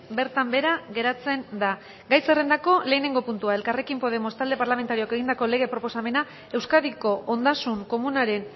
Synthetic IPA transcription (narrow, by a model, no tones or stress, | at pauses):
be̞ɾt̪ambe̞ɾaɣe̞ɾat͡se̞nd̪a | ɡajsere̞nd̪ako̞le̞ːne̞ŋɡo̞punt̪uae̞lkare̞kimpo̞ð̞e̞mo̞st̪ald̪e̞paɾlament̪aɾioke̞ɣind̪ako̞le̞ɣ̞e̞pɾo̞po̞same̞na | e̞wskaðiko̞ʔond̪asuŋko̞munaɾe̞n